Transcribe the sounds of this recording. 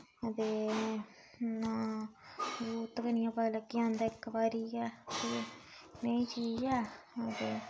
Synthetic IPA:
ət̪eː | nãː | ɡuːt̪kənɪjãːpəlãːkɪãːnd̪aːɪkːbaːɾiːɛːt̪eːnẽĩːt͡ʃiːd͡ʒɛːət̪eː

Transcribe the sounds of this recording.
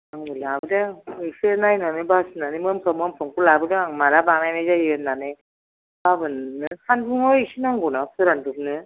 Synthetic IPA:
aŋɯlabɯdaisɯnajnanɯbasɯnanemɯmpʰɯmɯmpʰɯŋkulabɯɡaaŋmaɾabanajnajzajiɯnːanɯ | b̥abɯnːɯhʰanbʰuŋɔisɯnaŋɡunapʰɯɾandup̚nɯ

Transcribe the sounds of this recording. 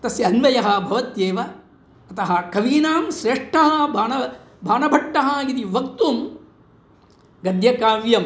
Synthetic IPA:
t̪ɐsjɐɐnʋɐjɐɦɐ̆bʱɐʋɐt̪jeːʋɐ | ɐt̪ɐɦɐ̆kɐʋiːnaːmʃɾeːʂʈʰɐɦɐbʱaːnɐ | bʱaːnɐbʱɐʈːɐɦɐit̪iʋɐk̚t̪uːm | ɡɐd̪ʱjɐkaːʋjɐm

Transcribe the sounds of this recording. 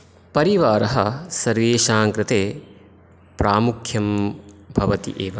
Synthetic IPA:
pɐɾiʋaːɾɐɦɐsɐɾʋeːʃaːŋkɾɪt̪eː | pɾaːmukʰjɐmbʱɐʋɐt̪ḭʔeːʋɐ

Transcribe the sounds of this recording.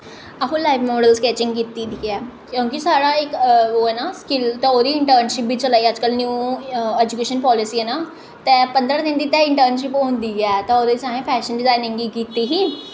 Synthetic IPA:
əɦũlaːɪʋmɔːɖəlskɛːt͡ʃɪ̃ŋɡkiːt̪iːd̪ikɛːkjõːkisaːɽaːɪkoːɛːnaːskɪlt̪ɛ̃oːd̪iːɪɳʈəːɾnʃɪpʋiːt͡ʃəlaːiːəd͡ʒkəlnjuːɛːd͡ʒukeːʃənpɔːlɪsiːɛːnaː | t̪ɛːpənd̪ɾad̪ɪ̃nd̪iːt̪ɛ̃ːɪɳʈəɾnʃɪpõːnd̪iːɛːt̪ɛːoːd̪esãːɦẽːpʰɛːʃənɖɪzaːɪnɪ̃ŋɡiːkiːt̪iːɦiː

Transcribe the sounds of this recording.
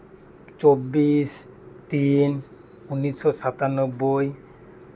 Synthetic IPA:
t͡ɕobːiʃ | t̪in | unːiʃɔʃat̪anobːoj

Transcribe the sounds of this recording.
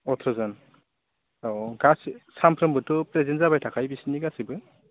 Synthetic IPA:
ɔtʰɔzan | aɡassampʰɾɔmbɯtːɔpɾɛzɛnzabajtʰakʰajbisiniɡasibɯ

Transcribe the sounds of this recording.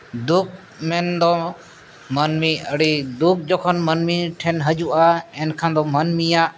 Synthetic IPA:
d̪uk̚ | mɛnd̪ɔ | mənmiəɽid̪uk̚d͡ʒɔkʰənmənmiʈʰɛnɦəd͡ʒuʔaɛnkʰãnd̪ɔːmənmijaːʔ

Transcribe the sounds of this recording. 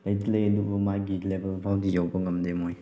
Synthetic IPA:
lɐjtilɐjɐdubɐmajɡilebelbʰʱawdijawbɐŋɐmdemoj

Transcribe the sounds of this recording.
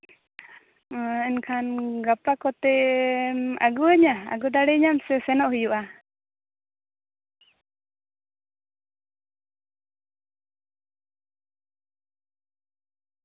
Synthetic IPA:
ɛnkʰanɡapakɔt̪ɛ | a̰ɡuəɲaa̰ɡud̪aɽɛɲamsɛsɛnɔʔhujuʔa

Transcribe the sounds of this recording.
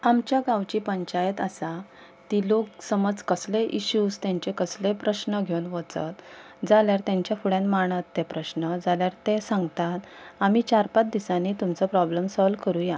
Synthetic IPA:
amt͡ɕjaɡawt͡ɕiːpəɲt͡ɕajət̪əsa | t̪ilok̚səməd͡zkəsleʔiɕuːd͡zt̪jãɲt͡ɕekəslepɾəɕnəɡʱewunʋət͡sə̰t̪ | d͡zaljaɾt̪jãɲt͡ɕjafuɽãnmaɳ̃ət̪ːepɾəɕnəd͡zʱaljaɾt̪ẽsãŋɡt̪at̪amiːt͡ɕaɾpat̪̚d̪isanit̪umt͡sɔpɾɔbləmsɔlkəɾuja

